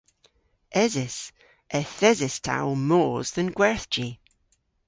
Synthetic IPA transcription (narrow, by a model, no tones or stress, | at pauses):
ʔɛzɪs | ʔɛθɛzɪstʰa̰ʊmoːzðə̃nɡwɛɹθd͡ʒi